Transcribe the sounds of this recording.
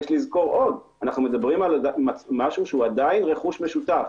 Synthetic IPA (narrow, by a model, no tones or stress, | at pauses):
ʃlizko̞ʁo̞d | anaχnume̞d̪abʁimalmamaʃuʃeuad̪ainʁe̞χuʃme̞ʃut̪af